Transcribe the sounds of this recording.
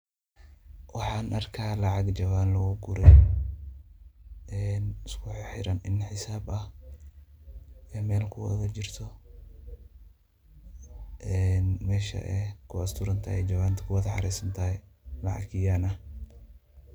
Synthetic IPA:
wɑħɑːnʔɐrkʰaːlɐʕɑɡd͡ʒɐβaːnlɐɣɔɡʊɾɛj | ɛːnɪskʰʊħħɪɾɐnɪnħɪsaːbɐh | ɛːmɛːlkʰʊwɐ̰ðɐt͡ʃɪrt̪ʰɔ | ʔɛnmɛːʃɐ̰ʔɛ̰kʰʊɐst̪ʰʊɾɐnt̪ʰɐ̰ɛd͡ʒɐβaːnt̪ʰɐ̥kʰʊwɐðɐħɑ̰ɾɛjsɐnt̪ʰɐːɛlɐʕɑ̰ɡɪjaːnɐh

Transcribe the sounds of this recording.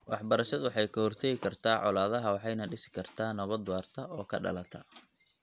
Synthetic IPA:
wɑħbɐɾɐʃɐðwɑħɑjkʰɐhɔrt̪ʰɛɣɪkʰɐrt̪ʰaːʕɔ̰laːðɐɦɐwɑħɑjnɐɖɪsɪ̥kʰɐrt̪ʰaːnɐβɐd̪ʊwaːrt̪ʰɐʔɔːkʰɐ̰ɖɐ̰lɐt̪ʰɐ

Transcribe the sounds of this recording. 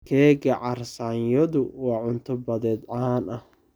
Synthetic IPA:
kʰɛːɡɐʕɑrsanjɔðʊwɑːʕʊnt̪ʰʊbɐðɛːd̪ʕaːnɐh

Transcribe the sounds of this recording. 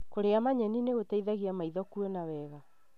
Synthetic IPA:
koɾeamaɲɛnineɣotaiðaɣiamaiðɔkuɛnawɛɣa

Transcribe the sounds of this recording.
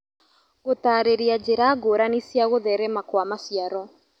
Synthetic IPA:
ɣotaːɾeɾiad͡ʒeɾaɡoɾanisjaɣoðɛɾɛmakwamasjaɾɔ

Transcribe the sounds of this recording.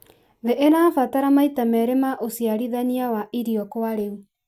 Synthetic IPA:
ðeʔenaːfataɾamaitamɛːɾemaʔosiaɾiðaniawaʔiɾiɔkwaɾeu

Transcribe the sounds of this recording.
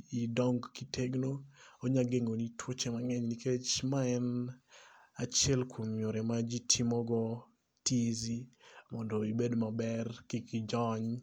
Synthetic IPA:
idɔŋɡkitʰeɡnooɲaɡeŋonitʰwot͡ʃemaŋɛɲniket͡ʃmaɛn | at͡ʃjɛlkwomjoɾɛmad͡ʒitʰimɔɡɔ | tizimɔndɔibedmabɛrkikid͡ʒɔɲ

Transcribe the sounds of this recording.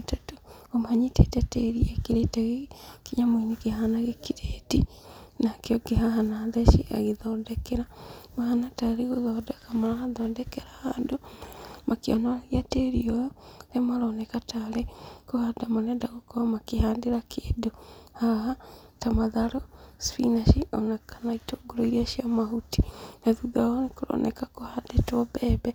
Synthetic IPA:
tato̥omaɲitetɛteɾiɛkiɾetɛɣekiɲamoinekehaːnaɣekiɾeːdinakeɔɡeɦaɦanaðɛʃeʔa̰ɣeðɔːndɛkeɾamahanataɾeɣoðɔdɛkamaɾahaðɔːndɛkɛɾahandomakeɔ̰naɣiateɾiojɔnemaɾɔnɛkataɾekohadamanɛdaɣokɔamakeɦaːndeɾakʰeːdohaɾaɦatamaðaɾospḭnaʃiɔnakʰanaitoɡoɾoiɾiaʃiamaɦuti̥naðuɡaɔnekoɾɔ̰nʔɛ̰kakohadetɔbɛːbɛ

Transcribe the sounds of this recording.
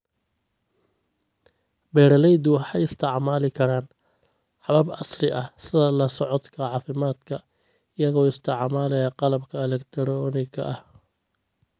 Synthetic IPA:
bɛːɾɐlɛjd̪ʊwħɑjɪst̪ʰɪʕmaːlɪkʰɐɾaːn | ħɑβɐbɐ̰srɪʔɐhsɪðɐlɐsɔʕɔd̪kʰɐʕɑːfɪmaːd̪kʰɐ | ɪjɐɣɔːɪst̪ʰɪʕmaːlɛjɐqɑlɐbkʰɐɛlɛkt̪ʰɛɾɔːnɪkʰɐ̰ʔɐh

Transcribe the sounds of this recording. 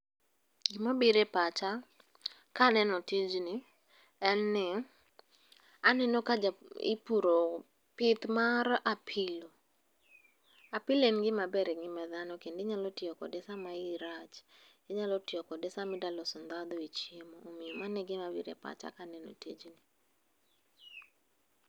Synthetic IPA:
ɡɪmabiɾepat͡ʃa | kanɛnɔtid͡ʒnɪ | ɛnːɪ | anɛnokad͡ʒaɪ̰puɾo | pɪt̪marapʰɪlo | apɪlenɡɪmabɛɾɛŋɪmaðanɔkendɪɲalɔtɪɔkɔ̰dɛsamaɪɾat͡ʃ | ɪɲalɔtɪɔkɔdɛsamɪdalɔsɔnd̪ad̪oit͡ʃjemoomɪomanɛɡɪmabiɾḛpa̰t͡ʃa̰kanɛno̰tid͡ʒni

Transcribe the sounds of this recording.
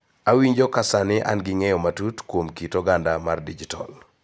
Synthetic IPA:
awiɲd͡ʒokasanɪʔa̰nɡɪŋɛjɔmatutkwomkitɔɡandamardid͡ʒitɔl

